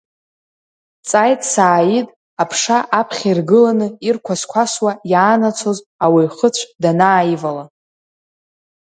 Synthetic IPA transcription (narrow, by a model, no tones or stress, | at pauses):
t͡sʼajtʼsaːjitʼ | apʰʂaʔapʰχʲirɡɨlanɨirkʷʰaskʷʰaswajaːnat͡sʷʰoz | awiχət͡sʷʰdanaːjivala